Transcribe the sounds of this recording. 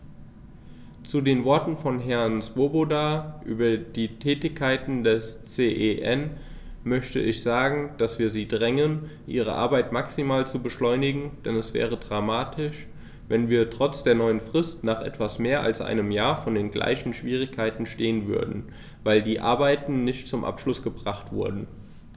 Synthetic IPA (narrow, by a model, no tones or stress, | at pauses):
t͡sudeːnvɔɐtn̩fɔnɦɛɐnt͡sv̥obodaːʔy̰ːbɐd̥iːtʰɛːtɪçkʰːaɪtn̩dɛst͡seːʔeʔɛn | mœçtə̰ɪçz̥aːɡŋ̩d̥asv̥iːɐziːdʁɛŋənʔḭːʁ̞ə̰ʔa̰ɐbaɪtmaksimaːlt͡subəʃlɔʏnɪɡŋ̩d̥ɛnɛsv̥ɛ̰ːʁ̞ədʁamaːtʰɪʃ | vɛnviːɐtʁ̥ɔt͡sd̥eːɐnɔʏənfʁ̥ɪstnaːχʔɛ̰tv̥asmeːɐʔa̰lsʔa̰ɪnəmjaːɐfɔndeːnɡlʔa̰ɪçn̩ʃv̥iːʁ̞ɪkʰːaɪtn̩ʃteːənvʏ̰ɐdn̩ | vaɪldiːʔa̰ɐbaɪtn̩nɪçtt͡sʊmʔa̰pʃlʊsɡ̥əbʁaχtv̥ʊ̰ɐdn̩